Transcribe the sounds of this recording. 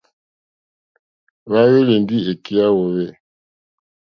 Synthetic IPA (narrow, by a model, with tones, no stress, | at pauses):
βa˦βe˦le˨ndi˦e˨ki˦a˦wo˨βe˦˨